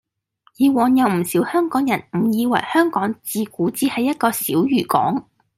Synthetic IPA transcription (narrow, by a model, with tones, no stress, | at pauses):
jiː˨˧wɔː˨˧njɐ˨wm̩˨˩siː˨˥whœː˥ŋkɔː˨˥ŋjɐ˨˩nm̩˨˩jiː˨˧wɐ̰˨˩jhœː˥ŋkɔː˨˥ŋt͡siː˧kuː˨˥t͡siː˥hɐ˨jːɐ˥t̚kɔː˧siː˨˥wjyː˨˩kɔ̰ː˨˥ŋ